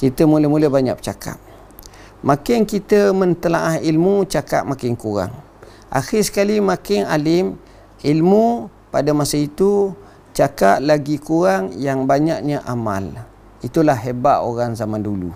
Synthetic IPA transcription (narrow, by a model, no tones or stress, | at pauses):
kit̪əmuləmuləbaɲa̰kʔ̚t͡ʃakʰa̰p̚ | makɪnkit̪əmə̃nt̪ənaʔahilmut͡ʃaka̰ʔ̚makɪŋkuɾa̰ŋ | ʔa̰xɪsə̥kalimakɪnalɪm | ilmu | padamasəit̪u | t͡ʃakat̚laɡikuɾaŋjaŋbaɲak̚ɲaʔama̰l | it̪ulahːebaʔo̰ɾaŋzamandulṵ